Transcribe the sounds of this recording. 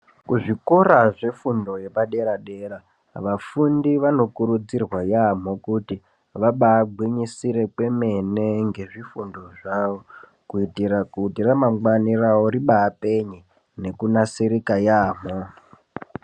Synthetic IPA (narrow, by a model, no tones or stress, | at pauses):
kuʐikoraʐe̞fundo̞je̞paɗe̞ɾaɗe̞ra | ʋafundiʋano̞kuɾud͡zirwajam̤o̞kuti | ʋaɓaːɡʱwiɲisiɾe̞kwe̞me̞ne̞ŋɡe̞ʐifundo̞ʐaʋo | kuitiɾakutiramamwaniraoɾiɓaːpeɲi | ne̞kunasiɾikajaːm̤o